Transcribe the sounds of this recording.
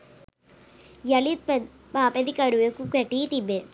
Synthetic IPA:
jɐlit̪̚pe | paːped̪ikɐɾuʋekukeʈːit̪ibe

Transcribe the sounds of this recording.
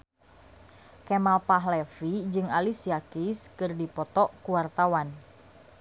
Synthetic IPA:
kɛmalpaɦlɛfid͡ʒɨŋalisiakiskɨrdipɔt̪ɔkuwart̪awan

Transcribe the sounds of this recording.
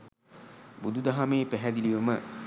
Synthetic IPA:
bud̪ud̪ɐɦameːpæɦæd̪iliʋəmə

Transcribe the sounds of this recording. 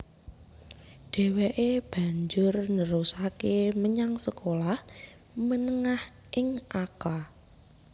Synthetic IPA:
ɖ̥e̤weʔeb̥ä̤ɲd͡ʒʊrnəɾusakeməɲaŋsəkolah | mənəŋah | ʔɪŋʔaka

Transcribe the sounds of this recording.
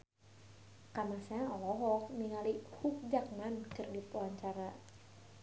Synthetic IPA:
kamasaɔlɔɦɔk̚niŋalihuk̚d͡ʒak̚mankɨrdipuaɲt͡ʃaɾa

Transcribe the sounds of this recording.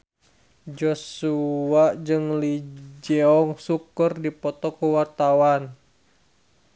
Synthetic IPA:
d͡ʒɔsuaʔd͡ʒɨŋlid͡ʒɛɔŋsukərdipɔt̪ɔkuwart̪awan

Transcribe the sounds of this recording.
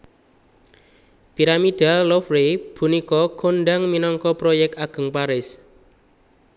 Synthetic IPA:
piɾamid̪̥a̤lːɔfɾeb̥ṳnikɔkʰonɖaŋminɔŋkɔpɾojɛk̚t̪aɡ̥ə̤ŋpaɾɪs

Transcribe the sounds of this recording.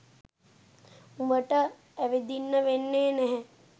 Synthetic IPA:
umbəʈə | æʋed̪inːəʋenːeːnɛɦɛ

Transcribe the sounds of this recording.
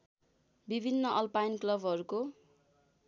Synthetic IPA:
bibʱinːʌʔʌlpajnklʌbʱʌɾuko

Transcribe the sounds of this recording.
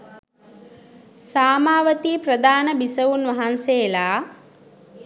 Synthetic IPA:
saːmaːʋət̪iːpɾəd̪aːnəbisəʋunʋɐɦanseːlaː

